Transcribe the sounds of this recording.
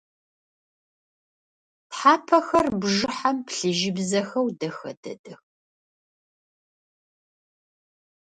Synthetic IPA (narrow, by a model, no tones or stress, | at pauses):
tħaːpʰɐxɐrbʐɨħampɬɨʒɪbzɐxɐwdɐxɐ̰dɐ̰dɨx